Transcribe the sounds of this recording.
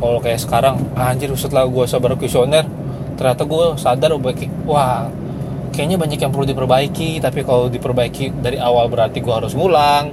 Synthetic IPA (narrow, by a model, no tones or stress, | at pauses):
kalokajaʔsə̥kaɾaŋaɲd͡ʒɪrusʊt̪laɡuasabaɾkusionɛr | t̪ərɲat̪aɡuasadarbk | wah | kajaʔɲabaɲakjaŋpəludipərbaikit̪apikalodipərbaikidaɾiʔawalbəɾart̪iɡuahaɾʊsŋulaŋ